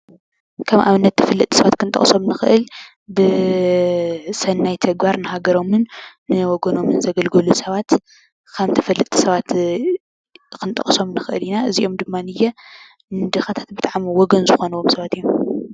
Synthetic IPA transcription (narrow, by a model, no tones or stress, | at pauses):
kʰɐmʔaβɨnːɐt̪ʰːɐ̥fɐlːɨt̪ʼi̥sɐβat̪kʰɨnt̪ʼɐ̰χʼso̞mnɨxɨʔɨl | bɨ | sɐnːajt̪ʰɐɡbaɾnɨhaɡɐɾo̞mɨnː | ɨwɔɡɐno̞mɨnzɐɡɐlɡɐlusɐβat̪ | kʰamt̪ʰɐ̥fɐlːɨt̪ʼi̥sɐβat̪ | kʰɨnt̪ʼɐ̰χʼso̞mnɨxʔɨ̰linaʔɨziʔo̞md̪ɨmːanɨjɛ | nɨd̪ɨxat̪ʰḁt̪̚bɨt̪ʼaʕmiwɔɡɐnzɨxo̞nɐwomsɐβat̪ɨjːum